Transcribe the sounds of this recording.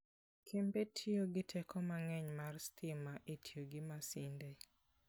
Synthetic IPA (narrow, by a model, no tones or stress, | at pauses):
kʰembetʰioɡɪtʰɛkʰɔmaŋɛɲmarstʰɪmaʔetʰjoɡɪmasɪnde